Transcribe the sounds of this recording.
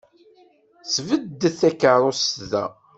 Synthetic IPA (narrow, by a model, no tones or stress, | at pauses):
θvəd̪ːəθækːəɾˤosðæ̰